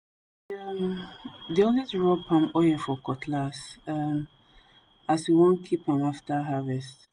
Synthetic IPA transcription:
amdiɔ̃nɛsɹɔpʰãmɔɛfɔkʰɔtʰlasam | asjiwõnkʰipãmaftaɦavɛst

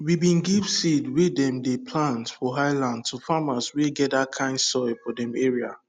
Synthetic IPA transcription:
wibĩnɡiv̥sidwedɛ̃mdepʰlãntfɔɦaɪlãnd̚tʰufamasweɡɛtdakʰãɪ̃nsɔɪfɔdɛ̃meɹia̰

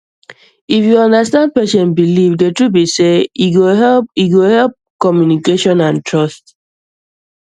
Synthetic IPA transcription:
ifjuɔ̃ndastãnd̚pɛʃɛ̃nbilivdetɹubiseiɡoɛiɡohɛlp̚kɔmjunikeʃɔ̃nãntɹɔst

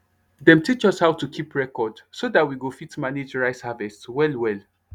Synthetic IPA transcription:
dɛ̃mtit͡ʃɔshawtukʰipʰɹɛkɔdsodatwiɡofitmanid͡ʒɹaɪshavɛswɛlwɛl

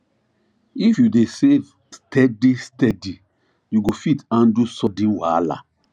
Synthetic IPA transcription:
ifjudesev | stʰɛdistɛdi | juɡofitãndusɔdĩnwala̰

